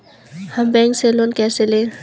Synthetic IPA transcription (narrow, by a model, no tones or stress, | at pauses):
hɐmbɛŋkselonkɛsele